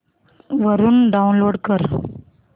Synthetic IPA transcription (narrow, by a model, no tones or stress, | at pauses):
ʋɐɾunɖɐʊnloːɖkɐɾ